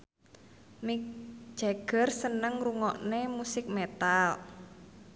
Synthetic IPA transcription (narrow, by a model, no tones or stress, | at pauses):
mik̚d̥ʒ̥a̤ɡ̥ə̤rsənəŋruŋɔʔnemusɪk̚met̪al